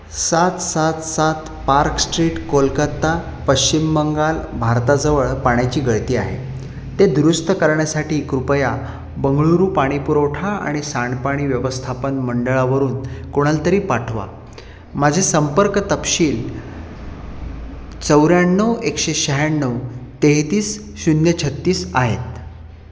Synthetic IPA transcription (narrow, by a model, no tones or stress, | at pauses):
sat̪sat̪sat̪ | paɾksʈɾiːʈkolkət̪ːa | pəɕt͡ɕimːəŋɡalbʱaɾt̪ad͡zəʋəɭpaɳjat͡ɕiːɡʱəɭt̪iːa̰ɦḛ | t̪ed̪ɾust̪ʰəkəɾɳjasaʈiːkɾupəja | bəŋɡɭuɾuːpaɽ̃ipuɾowʈʰaa̰ɽ̃isaɳɖpaɽ̃iːʋjəʋəst̪ʰapənməɳɖəɭaʋəɾuːnkoɽ̃alt̪əɾiːpaʈʰʋa̰ | mad͡ʑʱesəmpəɾkt̪əpɕiːl | t͡səwɾjaɳːəwekɕeɕəɦjanːəwt̪eɦt̪iːs | ɕunjət͡ɕʰət̪ːiːsa̰ɦet̪